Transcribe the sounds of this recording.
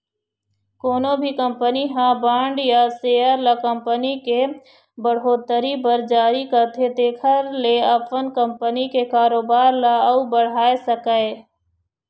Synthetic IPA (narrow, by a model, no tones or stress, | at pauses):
koːnobʱikə̃mpəniɦãbãːɳɖjaseːəɾlakə̃mpənike | bəɽ̤ɦoːt̪əɾibəɾd͡ʒaːɾikɐɾt̪ʰet̪eːkʰəɾleɐfʰənkə̃mpənikekaːɾoːbaːɾlaubəɽ̤aːesəkae